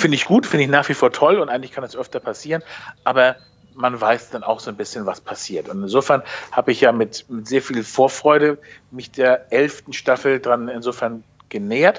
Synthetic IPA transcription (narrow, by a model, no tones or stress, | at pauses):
fɪndəɪçɡ̥uːtfɪndəɪçnaːχv̥ifoːɐtʰɔlʊntʔaɪŋtlɪçkʰandasʔœftɐpʰasiːʁənʔaːbɐ | manvaɪsd̥ana̰ʊxz̥oːnbɪsçənvaspʰasiːɐtʊntɪnzoːfɛɐnhaːbəɪçjaːmɪtmɪtz̥eːɐfiːlfoːɐfʁ̥ɔʏɾəmɪçd̥eːɐʔɛlftn̩ʃtafl̩dʁanɪnzoːfɛɐn | ɡ̥əneːɐt